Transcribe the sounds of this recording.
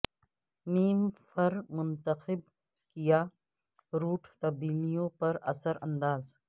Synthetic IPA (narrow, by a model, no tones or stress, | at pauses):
miːmfʰɐɾmʊ̃nt̪əxɪb̚ | kijaː | ɾuːʈʰt̪ɐbiːlijõpɐɾɐsəɾɐ̰̃nd̪aːz